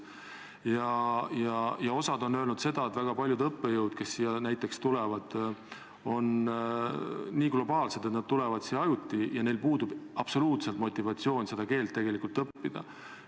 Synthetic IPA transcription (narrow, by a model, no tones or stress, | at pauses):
jɑjɑjɑo̞sɑd̪o̞nø̞ːlnud̪se̞d̪̥ɑet̪væɡ̥ɑpɑlʲjud̪ɤpːejɤwd̪̥ke̞sːijɑnæjt̪ːˑe̞kst̪ulɛvɑd̪̥ | o̞n | niːɡ̥lo̞bɑːlse̞d̪et̪nd̪̚t̪ulɛvɑd̪̥siːɑjut̪ʲːijɑne̞jlpuːd̪ub̥ɑb̥so̞luːt̪selt̪mo̞t̪ʲːˑivɑt̪sijo̞ːnʲse̞d̪̥ɑke̞ːlt̪ːe̞ɡe̞likult̪ɤpːid̪̥ɑ̰